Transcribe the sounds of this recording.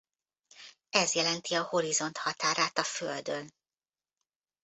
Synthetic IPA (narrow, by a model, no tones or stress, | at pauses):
ɛzjɛlɛnt̪iɒho̞ɾizo̞nt̪hɒt̪aːɾaːt̪ɒføld̪øn